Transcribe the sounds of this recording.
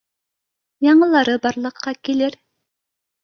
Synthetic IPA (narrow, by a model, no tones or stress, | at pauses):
jɑɴəlˠɑɾɨbɑɾlˠəqʰːɑkʲelɪɾ